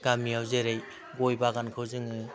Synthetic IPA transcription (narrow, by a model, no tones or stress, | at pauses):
ɡ̥amiawzeɾej | ɡojbaɡankʰɯwzɯŋɯ